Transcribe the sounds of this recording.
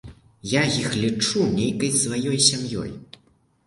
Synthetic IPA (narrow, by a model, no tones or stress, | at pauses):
jajixlʲit͡ʂunʲejkɐjʲsvajɔjsʲamjɔ̰j